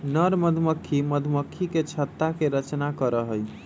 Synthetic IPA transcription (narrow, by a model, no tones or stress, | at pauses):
nəɾməd̪ʱməkʰːiməd̪ʱməkʰːiket͡ʃʰət̪ːakeɾət͡ʃnakəɾəɦəj